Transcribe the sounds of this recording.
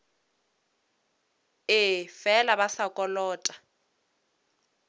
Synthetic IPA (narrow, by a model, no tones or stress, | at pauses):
ɪfɛlaβasakʼɔlɔːtʼḁ